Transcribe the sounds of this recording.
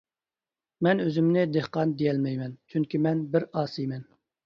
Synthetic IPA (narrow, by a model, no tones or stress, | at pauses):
mɛnøzymnɪd̪ehqɑnd̪ejɛlmɛjmɛnt͡ʃʰyŋkʲimɛnbɪɾɑːsijmɛn